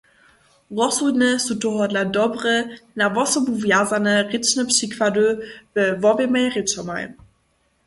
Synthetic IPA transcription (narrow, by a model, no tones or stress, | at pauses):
ʁɔsunəsutohɔdladɔbʁənavɔsobuvjazanəʁɪt͡ʃnəpʃikʰvadøv̥əvɔvemajʁit͡ʃɔma̰j